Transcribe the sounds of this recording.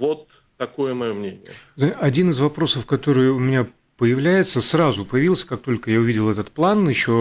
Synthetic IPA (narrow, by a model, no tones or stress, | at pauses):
vot̪ː | ɐkojəmɐjomnʲenʲɪjəzaɐdʲinɨzvɐpɾo̞səfkɐt̪o̞ɾɨjʊʊmʲɪnʲa | pəjɪvlʲæjɪt̪səsɾazʊpəjɪvʲilˠsʲə̥kak̚t̪o̞lʲkəjaʊvʲidʲɪlˠɛt̪ət̪̚plˠanɪɕːo̞